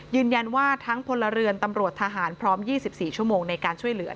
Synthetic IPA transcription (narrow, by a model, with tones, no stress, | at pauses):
jɯː˧nja˧nwaː˥˩t̪ʰa˦˥ŋpʰo˧nla˧ɾɯ˧ənt̪a˧mɾu˨˩ət̪ʰːa˧ɦaː˩˦npʰɾɔː˦˥mjiː˥˩si˨˩p̚siː˨˩t͡ɕʰu˥˩əmoː˧ŋna˧jkaː˧nt͡ɕʰu˥˩əjlɯ˩˦